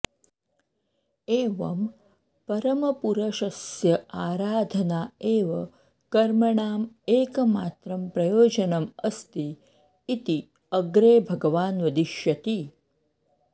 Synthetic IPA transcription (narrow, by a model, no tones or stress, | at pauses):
eːʋɐm | pɐɾəmɐpuɾɐʃɐsjɐaːɾaːd̪ʱənaeːʋɐ | kɐɾmɐɳaːm | eːkmaːt̪ɾɐmpɾɐjoːd͡ʒənɐmɐst̪iː | t̪i | ɐɡɾeːbʱɐɡəʋaːnʋɐd̪iʃjɐt̪i